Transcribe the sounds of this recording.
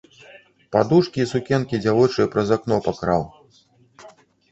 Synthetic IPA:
pad̪uʂkʲiːsukʲɛnkʲid͡zʲavɔt͡ʂɨjɐpɾɐzaknɔpakɾaw

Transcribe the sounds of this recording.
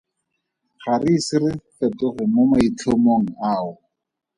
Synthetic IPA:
χarisɪrɪfetʊχʊmʊmait͡ɬʰomoŋ̩aːʊ

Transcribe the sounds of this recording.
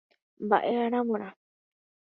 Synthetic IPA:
mba̰ʔehaɾ̃ãmõɾ̃ã

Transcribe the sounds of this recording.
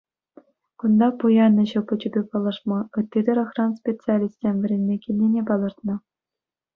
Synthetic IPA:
kund̪ɑpujɑnːɤ̆ɕɤ̆pɤ̆t͡ɕubʲepɑlˠɤ̆ʂmɑɯ̆t̪ʲːid̪ʲɘ̆ɾɤ̆xrɑnspʲet͡sɨalʲisʲt̪ʲsʲemʲvʲɘ̆ɾʲenʲːekʲilʲnʲenʲepɑlˠɤ̆rt̪nɤ̆

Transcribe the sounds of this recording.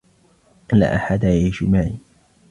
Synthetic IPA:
ʔɪnlːa̰ːʔaħad̪ajajʃʊmaʕiː

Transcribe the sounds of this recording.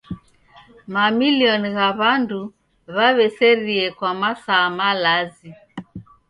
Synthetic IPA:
mamiliɔniɣaβandu | βaβɛsɛɾiɛkwamasaːmalazi

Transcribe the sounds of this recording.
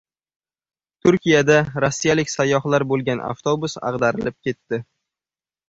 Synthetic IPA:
t̪ʰʊɾkʲijad̪aɾosːijalɪkʲsajːɒχlaɾbolˠɡʲanʔa̰ft̪ʰobʊsɑ̰ʁd̪aɾɪlɪp̚kʲʰe̞t̪ːɪ

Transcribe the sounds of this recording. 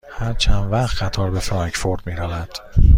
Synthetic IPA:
hæɾt͡ʃʰænvæɣt̪ɢæt̪ʰɒːɾbefɾɒŋkfoɾd̪̥miːɾævæd̪̥

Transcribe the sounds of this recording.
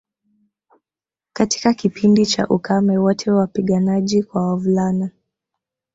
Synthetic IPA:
kati̥kakipindit͡ʃa̰ʔukamɛwɔtʰɛwapiɠanaʄikwawavulana

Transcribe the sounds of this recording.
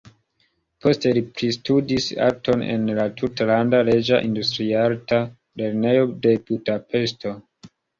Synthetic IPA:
pʰo̞stelipɾistudisa̰k̚to̞nḛnlatʰutlandale̞d͡ʒaʔindustɾialta | le̞ɾne̞jode̞budape̞sto̞

